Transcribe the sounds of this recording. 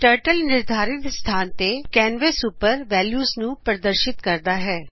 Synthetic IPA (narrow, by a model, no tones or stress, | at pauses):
ʈəːɾʈəlnɪɾd̪ʱaːɾɪt̪st̪ʰaːnt̪eːkɛːnʋesupəɾʋɛːljuːznũːpəɾəd̪əɾʃɪt̪kəɾd̪aːɦɛː